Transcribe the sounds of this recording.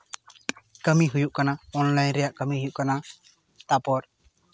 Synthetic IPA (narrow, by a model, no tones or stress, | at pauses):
kəmiɦujuʔkanaɔnlajnɾɛjaʔkəmiɦujuʔkana | t̪apɔɾ